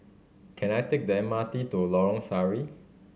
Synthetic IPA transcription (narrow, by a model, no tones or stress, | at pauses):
kʰɛ̃najtek̚dɛ̃matitulɔɹɔ̃ŋsaɹi